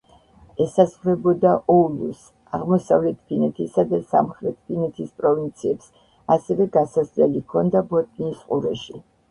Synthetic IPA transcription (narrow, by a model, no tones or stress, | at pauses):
ɛsazʁɾɛbɔd̪aʔɔlˠus | aʁmɔsavlɛt̪ʰpʰinɛt̪ʰisad̪asa̰mχɾɛt̪ʰpʰinɛt̪ʰispʼɾɔvint̪sʰiɛps | asɛvɛɡasaslɛlikʰɔnd̪abɔt̪ʼniːsqʼṵɾɛʃi